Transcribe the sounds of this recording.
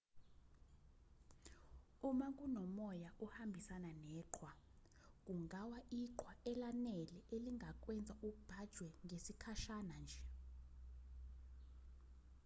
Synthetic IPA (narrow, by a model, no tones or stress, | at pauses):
umakʼunɔmɔjaʔɔhambʱisananɛːǃʰwa | k̬ʼuŋʱawaʔiǃwaʔɛlanɛlɛʔeliŋʱak̬ʼwɛnd͡zʱauk̬ub̥ʱad̥ʒ̥ʱwɛŋɡʱesikʰaʃanand͡ʒʱɛ